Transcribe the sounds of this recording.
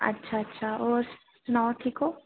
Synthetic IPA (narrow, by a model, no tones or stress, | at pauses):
ɐ̰tːʃʰaɐtːʃʰaɔːɾ | sʊnawʈʰiːkoː